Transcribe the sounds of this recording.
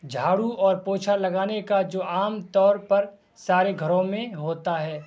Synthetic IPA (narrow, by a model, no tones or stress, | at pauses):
d͡ʒʱaːɽuɔːɾpoːt͡ʃʰalɐɡaːnekad͡ʒoːʔaːmt̪ɔːɾpɐɾ | saːɾeɡʱɐɾõmẽɦoːt̪aɦɛː